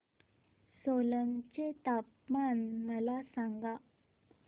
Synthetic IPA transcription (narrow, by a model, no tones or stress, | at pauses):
soləŋt͡ɕet̪ap | manːəlasaŋɡa